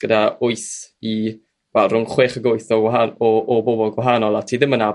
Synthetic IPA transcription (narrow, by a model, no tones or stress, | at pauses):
ɡ̥ədaʊɨθi | vɛlˠrʊŋχweːχəɡʊɨθɔɡwaɦanɔʔɔbobɔlˠɡwaɦaːnɔlˠatʰiːðɪməna